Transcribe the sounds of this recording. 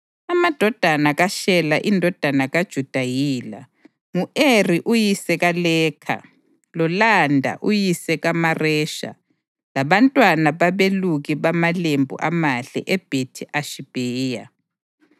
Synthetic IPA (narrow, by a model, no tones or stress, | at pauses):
amad̥ʱɔd̥ʱanaɣaʃɛlaʔindʱɔd̥ʱanaɣad̥ʒ̥ʱud̥ʱajiːla̰ | ŋuʔeriʔujisɛɣalɛːkʰa̰ | lɔlandʱa̰ʔujisɛɣamarɛʃa̰ | laβantʼwanaβaβeluɣiβamalembʱṵʔamaɬɛ̰ʔɛb̥ʱetʰiʔaʃib̥ʱɛːja